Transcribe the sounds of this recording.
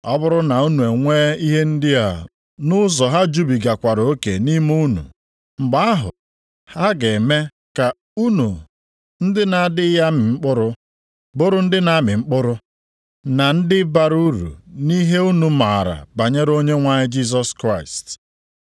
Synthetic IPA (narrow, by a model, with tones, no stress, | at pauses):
ɔ˦bʊ˦ɾʊ˦na˨u˦nu˨e˨ŋʷeː˦i˦ɦe˦n̩˦dɪ˦a̰˨ | nʊ˦zɔ˨ɦa˦d͡ʒu˦bi˨ɡa˨kʷa˨ɾo˦ke˨ni˦mu˦nṵ˨ | ŋ͡m̩˨ɡ͡ba˦a˦ɦʊ̰˨ | ha˦ɡe˨me˦ | ka˨ | u˦nu˨ | n̩˦dɪ˦na˨a˦˨dɪ˦ja˦mɪ˨ŋ͡m̩˦k͡pʊ˦ɾʊ˦ | bʊ˦ɾʊ˦n̩˦dɪ˦na˨˦mɪ˨ŋ͡m̩˦k͡pʊ˦ɾʊ˦ | na˨n̩˦dɪ˦ba˨ɾu˦ɾṵ˨ni˦ɦe˦u˦nu˨ma˨ɾa̰˨ba˨ɲe˦ɾo˦ɲe˦ŋʷa˦ɲɪ˦d͡ʒi˦s̬ɔ˦skɾa˦˨ɪ˨st